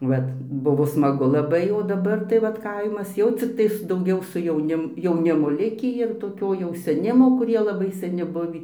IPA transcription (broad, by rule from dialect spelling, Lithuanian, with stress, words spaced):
ˈʋɐt ˈbʊʋoː smɐˈɡʊ lˠɐˈbɐɪ oː dɐˈbɐr tɐɪ ˈʋɐt ˈkɐɪmɐs ˈjɛʊ t͡sʲɪkˈtɐɪs dɐʊˈɡʲɛʊ sʊ jɛʊˈnʲɪm jɛʊˈnʲɪmoː ˈlʲɪkʲiː ɪr toːˈkʲoː jɛʊ sʲɛˈnʲɪmoː kʊˈrʲiɛ lˠɐˈbɐɪ sɐˈnʲɪ ˈbʊʋʲiː